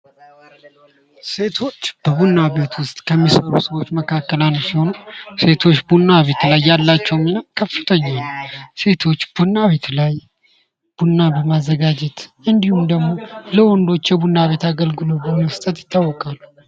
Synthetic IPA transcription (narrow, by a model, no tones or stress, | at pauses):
se̞t̪ʰo̞t͡ʃːb̥əβunːaβet̪wʊst̪ʼkʰəmːisəɾusəwo̞t͡ʃːməkʰakːəlansiho̞nuse̞t̪ʰo̞t͡ʃːbunːaβe̞t̪lajːalːat͡ʃːɛwminakʰəfːɨt̪ʰəɲːanse̞t̪ʰo̞t͡ʃːbunːaβe̞t̪laj | b̥unːabəmazːəɡad͡ʒɛt̪ʔɨnd̪ihumd̪əɡmo̞ləwɔnd̪o̞t͡ʃːjɛβunːaβe̞t̪aɡəlɡɨlobənəst̪ʼət̪jɪt̪ʰːawːɔkʼalːu